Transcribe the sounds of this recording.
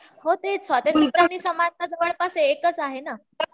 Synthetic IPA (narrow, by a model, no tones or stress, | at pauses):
ɦot̪esʋat̪emit̪ɾanːiːsəmant̪ad̪əʋəɭpaseːkət͡saɦena